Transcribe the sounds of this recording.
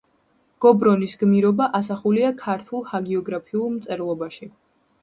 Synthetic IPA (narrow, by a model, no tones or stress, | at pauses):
ɡ̥ɔbɾɔnisɡmiɾɔbaʔas̬aχuliakʰaɾt̪ʰulˠhaɡiɔɡɾapʰiulˠmt̪sʼɛɾlˠɔbaʃi